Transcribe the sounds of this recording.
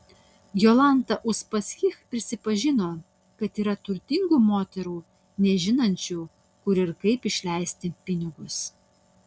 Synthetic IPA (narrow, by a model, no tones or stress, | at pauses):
jolˠɐnˑt̪ɐʔʊspɐsʲxʲɪxpʲɾʲɪsʲɪpɐʒʲɪnoː | kɐt̪iːɾɐt̪ʊɾʲt̪ʲɪŋɡuːmoːt̪ʲɛɾuː | nʲɛʒʲɪnɐnʲt͡ʃʲuː | kʊɾɪɾkɐɪpɪʃʲlʲæɪsʲt̪ʲɪpʲɪnʲɪɡʊs